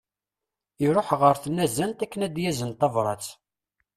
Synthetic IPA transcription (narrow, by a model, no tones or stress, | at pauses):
iɾˤoħʁəɾθənːæzænt̪ækːənæd̪jæzənt̪ɑvɾˤɑ̰t͡s